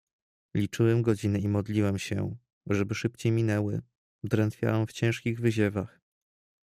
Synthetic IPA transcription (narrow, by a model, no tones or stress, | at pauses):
lʲit͡ʂɘwɛmɡɔd͡ʑinɘimɔd̪lʲiwɛmɕɛ̰ | ʐɛbɘʂɘpt͡ɕejmʲinɛwɘ | d̪ɾɛnt̪fʲja̰wɛmft͡ɕɛ̃w̃ʂkʲiɣvɘʑɛvax